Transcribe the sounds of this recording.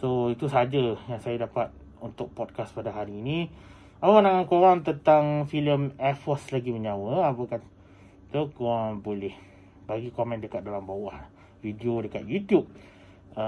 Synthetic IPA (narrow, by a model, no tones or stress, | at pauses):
soit̪usəad͡ʒəjaŋsajadapat̪̚ | unt̪ʊk̚pɔd̚kaspadaɦaɾiːni | aawanãŋankowaŋt̪ənt̪aŋfiləmɛfɔslaɡiməɲawəapəka | t̪əkoaŋbolɛh | baɡikomɛ̃ndəkat̪̚dalambawah | vidiodəka̰t̪̚jut̪jup̚ | ə